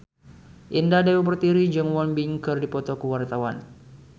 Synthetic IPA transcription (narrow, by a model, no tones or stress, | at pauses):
ʔindadɛwubərt̪iɾid͡ʒəŋwɔnbiŋkɨrdipɔt̪ɔkəwart̪awan